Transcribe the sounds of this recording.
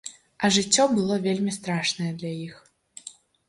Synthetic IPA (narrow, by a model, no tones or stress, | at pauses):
ɐʐɨt͡sʲːɔbɨlˠɔvʲelʲmʲist̪ɾaʂnɐjɛd̪lʲɐjix